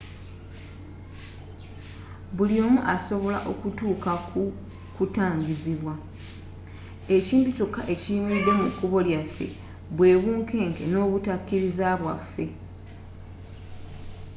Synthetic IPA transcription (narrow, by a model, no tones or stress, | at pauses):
βuljo̞ːmuʔaso̞βo̞laʔo̞̰kutuːkau | kutaːɲɟiziβwa | eciːmbitukaʔe̞cimid̪e̞mukːuβo̞ljafːe̞̰ | βwe̞ːβuːŋke̞ːŋke̞̰no̞ːβutakːiɾizaβwa̰fːe̞